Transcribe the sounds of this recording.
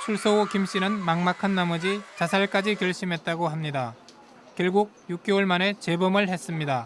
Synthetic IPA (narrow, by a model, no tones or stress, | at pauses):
t͡ɕʰuɭs͈ookimɕ͈inɯnmaŋmakʰanːamʌd͡ʑit͡ɕasʰaɭk͈ad͡ʑikjʌɭɕ͈imɦe̞t̚t͈aɡoɦamɲida | kjʌɭɡuɡ̚juk̚k͈eoɭmane̞t͡ɕe̞bɯmɯɭhe̞s͈ɯmɲida